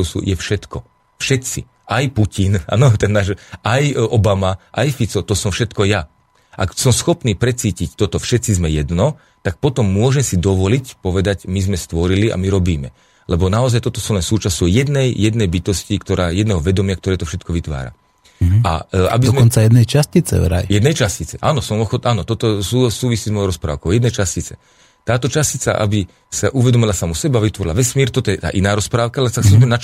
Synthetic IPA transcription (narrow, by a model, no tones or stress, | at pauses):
sṵjɛfʃɛt̪kɔ | fʃɛt͡sḭ | ʔajpucina̰nɔt̪ɛnːaːʃajʔɔbamaʔajfit͡sɔt̪ɔsɔmfʃɛt̪kɔja | ʔa̰ksɔmsxɔpniːpɾɛt͡siːcict̪ɔt̪ɔfʃɛt̪t͡sizmɛjɛd̪nɔ | t̪ak̚pɔt̪ɔmːʊɔʒɛmsid̪ɔʋɔlicpɔʋɛd̪acmizmɛst̪ʋɔɾilia̰miɾɔbiːmɛ | lɛbɔnaɔzajt̪ɔt̪ɔsuːlɛnsuːt͡ʃasɔʊjɛd̪nɛjjɛd̪nɛjbit̪ɔscikt̪ɔɾʔaːjɛd̪nɛːɦɔʋɛd̪ɔmɪakt̪ɔɾɛːt̪ɔfʃɛt̪kɔʋit̪ʋa̰ːɾa̰ | a̰ʔa̰bizzmɛɔnt͡sajɛd̪nɛjt͡ʃascit͡sɛ̰ɾa̰jjɛd̪nɛjt͡ʃascit͡sɛʔaːnɔsɔmɔxɔt̪ʔaːnɔt̪ɔt̪ɔsusuːʋisiːzmɔjɔjɾɔspɾa̰ːʊkɔʊjɛd̪nɛjt͡ʃascit͡sɛ̰ | t̪aːt̪ɔt͡ʃascit͡sa̰ʔa̰bi | saʔuʋɛd̪ɔmilasamɔsɛbaʋit̪ʋɔɾḭlaʋɛsmiːɾt̪ɔt̪ɔjɛt̪a̰ːʔinaːɾɔspɾaːʊkalɛsaksuɛmnat͡ʃ